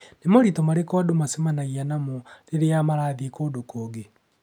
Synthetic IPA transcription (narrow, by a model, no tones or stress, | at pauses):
nemoɾitɔmaɾekɔdomasemanaianamoɾeɾeamaɾaːðikoːdokoːɡe